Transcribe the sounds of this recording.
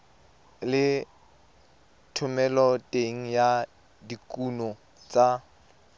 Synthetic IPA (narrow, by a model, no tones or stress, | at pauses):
lɪ | tʰʊmɛlɔtʼeŋ̩ja | dikʼunɔ | t͡sʼa